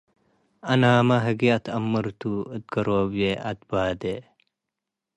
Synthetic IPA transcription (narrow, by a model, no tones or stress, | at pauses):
ɐnaːmɐɦɐɡiɐt̪ʰɐmːəɾt̪uət̪̚ɡɐɾoːbjeʔɐt̪̚baːd̪e